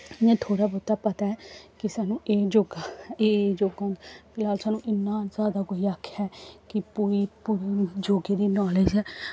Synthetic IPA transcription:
nẽːt̪ʰoːɽaːbʊt̪ːaːpət̪aɛːkɪsɛːnũːʔeːd͡ʒoːɡaeːd͡ʒoːɡãːnpɪlaːlsaːnũːʔɪnːãːzjaːd̪aːkoiakʰːjaːkɪpuɾiːpuːɾid͡ʒoːɡeːd̪iːnɔːled͡ʒɦɛː

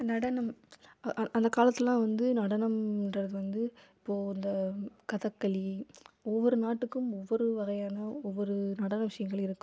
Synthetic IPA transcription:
nɐɽɐnɐmʔʔɐnd̪ɐkaːlɐt̪ːɪlːãːʋɐnd̪ɯnɐɽɐnɐmɪndrɐðɯʋɐnd̪ɯɪpːoːɪnd̪ɐkɐðɐkːɐɭiɔʋːɔɾɯnaːʈːɯkːɯmɔʋːɔɾɯʋɐɣɐjaːnɐɔʋːɔɾɯnɐɽɐnɐʋɪʂɐjɐŋɡɐɭɪɾɯkːɯm

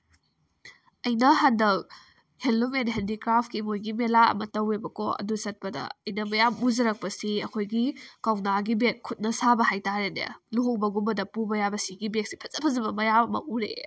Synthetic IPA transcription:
ɐjnɐɦandɐw | henlumenɦendikɾapʰkimojɡimelaɐ̰mɐtɐwebɐkoɐ̰dusɐt̚pɐdɐ̰ɐjnɐmɐjamuzɐɾɐk̚pɐsiɐkʰojɡikawnaɡibekʰːut̚nɐsabɐhajtaɾenḛa̰luɦoŋbɐɡumbɐdɐpubɐjabɐsiɡibek̚si̥pʰɐ̥zɐpʰɐzɐbɐmɐjamɐmɐ̰uɾḛ

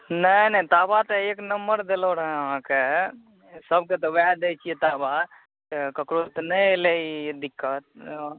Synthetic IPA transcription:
nənt̪abat̪ɔeknəmbəɾd̪eloɾəɦẽəɦãke | səb̚ket̪ɔʋɛd̪ɛt͡ʃʰijet̪aba | t̪ekəkɾot̪nəjled̪ikːət̪̚

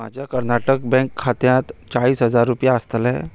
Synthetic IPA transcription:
ma̰d͡ʑʱjakəɾnaʈək̚bɛ̃ŋkʰːat̪jãt̪t͡ɕaɭiːsɦəd͡zaɾːupjaəst̪lɛ̰

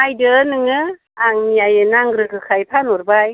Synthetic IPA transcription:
ajdɯnɯŋɯ | aŋijajɯnaŋɡɾɯkʰɯkʰajpʰanuɾbaj

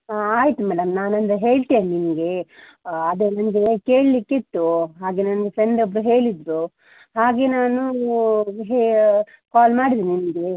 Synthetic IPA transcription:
aːjit̪umɛːɽɐmnaːnɐnt̪ɐɦe̞ːɭt̪ijɐnninɐɡe | ɐd̪eːnɐmɐɡe̞ke̞ːɭlikːit̪ːuɦaːɡe̞nɐnɐɡesenɖ̪obɾuɦe̞ːɭid̪ɾu | ɦaːɡe̞ːnaːnu | ɦe | kaːlmaːɽid̪ininɐɡe

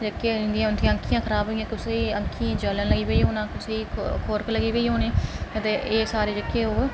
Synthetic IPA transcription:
d͡ʒəkːeːɪ̃nd̪ijãːʊnt̪ʰijãːəŋkʰijãːkʰəɾaːbʱɦoːijãːkʊseːə̃ŋkʰijãːd͡ʒələnləɡiːbeiːɦoːnãːkʊseːkʰoːɾkləɡiːbeiːɦoːneːət̪eːʔeːsaːɾeːd͡ʒəkːeːɦoː

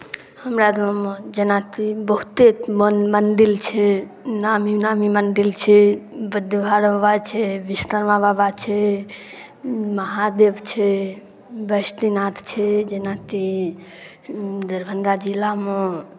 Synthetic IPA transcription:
həmɾad̪omd͡ʒənat̪ibəɦut̪emənmənɖ̪ilt͡ʃʰɛ | naminamimənɖ̪ilt͡ʃʰɛbəd̪əbʱaɾəbat͡ʃʰɛbist̪əɾmababat͡ʃʰɛ | məɦad̪ebt͡ʃʰɛ | bəst̪inat̪t͡ʃʰɛd͡ʒenat̪i | d̪əɾbʱənd̪ad͡ʒilamẽ

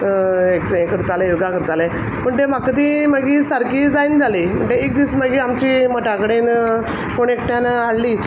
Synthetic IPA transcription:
eksẽkəɾt̪alejoɡakəɾt̪ale | pəɳt̪em̤akət̪̬iməɡisaɾkid͡z̪ajnd͡zʱalim̤ə̰ɳʈeek̚d̪iːsməɡiamt͡ɕiməʈakəɽen | koɳekʈjanalːi

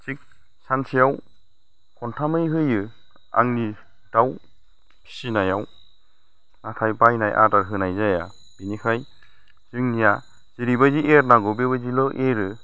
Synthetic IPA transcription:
t͡ʃʰik̚ | sansʰijaw | kʰɔntʰamɯjɦɯjɯ | a̰ŋni | d̥aw | pʰi̥sinajaw | natʰajpajnajʔa̰daɾɦɯnajzaja̰ | b̥inikʰaj | z̥ɯŋnija | ziɾibaziʔeɾnaɡɔbebazilɔʔeɾɯ

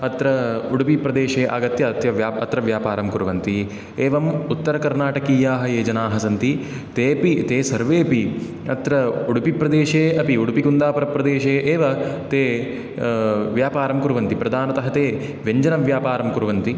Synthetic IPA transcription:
ɐt̪ɾɐuɽupipɾɐd̪eːʃeːʔa̰ːɡɐt̪jɐɐt̪jɐʋjaːɐt̪ɾɐʋjaːpaːɾɐmkuɾuʋɐnt̪i | eːʋɐmut̪ːɐɾɐkɐɾnaːʈɐkiːjaːɦɐjeːd͡ʒɐnaːɦɐsɐnt̪i | t̪eːpit̪eːsɐɾʋeːpi | ɐ̰t̪ɾɐuɽupipɾɐd̪eːʃeːɐpiuɽupikund̪aːpɐɾɐpɾɐd̪eːʃeːʔeːʋɐt̪eː | ʋjaːpaːɾɐmkuɾuʋɐnt̪ipɾɐd̪ʱaːnɐt̪ɐɦɐt̪eː | ʋjeɲd͡ʒɐnɐʋjaːpaːɾɐmkuɾʋɐnt̪i

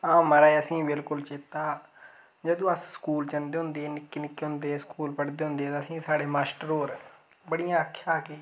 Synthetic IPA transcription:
ãːməɾaːeəsĩːbɪlkʊlt͡ʃɪt̪ːaː | d͡ʒəd̪õːəsskuːlt͡ʃənd̪eːɦʊ̃nd̪eːnɪkːiːnɪkːeːɦʊ̃nd̪eːskuːlpəɽd̪eːɦʊ̃nd̪eːt̪aːəsĩːsaːɽeːmaːsʈəɾoːɾ | bəɽijãːəkʰːjaːkeː

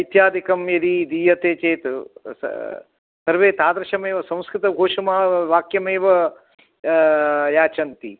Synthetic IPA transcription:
ɐjt̪jaːd̪ikɐmjɐd̪id̪iːjɐt̪eːt͡ʃeːt̪ | sɐɾʋeːt̪aːd̪ɾɐʃɐmeːʋɐsɐ̃m̃skɾɪt̪ɐɡʱoːʂɐmɐːɐʋaːkjɐmeːʋɐ | jaːt͡ʃɐnt̪i

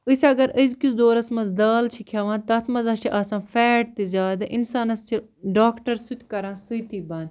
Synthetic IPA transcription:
ɨsɐɡɐɾəzkisd̪oːɾɐsmɐzd̪aːlt͡ʃʰikʰjaːʋãːnt̪ɐt̪ʰmɐzɐt͡ʃʰiʔaːsãːfɛːʈ̚t̪izʲaːd̪ɐʔinsaːnɐst͡ʃʰi | ɖaːkʈɐɾsut̪ʰʲkɐɾãːsɨt̪iːbaːn

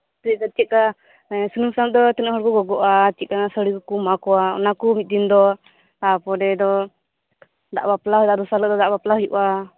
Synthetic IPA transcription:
t̪ɛat͡ʃit̪̚ka | sunumsat̪̚d̪ɔt̪inəɦɔɾkɔɡɔɡɔʔat͡ʃit̪̚kanasəɽikɔkumakɔaɔ̰nakumit̪̚ˀd̪ind̪ɔ | t̪apɔɾɛd̪ɔ | d̪a̰ʔbaplaɦɔd̪aʔɾusalək̚d̪ɔd̪aʔbaplaɦujṵʔa

